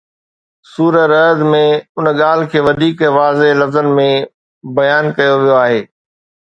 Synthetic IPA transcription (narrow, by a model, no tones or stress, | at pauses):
suːɾəɾɐɦd̪mẽʊnəɠaːl̤ɪkʰeːʋɐd̪ʱiːkʋaːzelɐfzənɪ̆mẽ | bɐjaːnkɐjoʋijoaːɦeː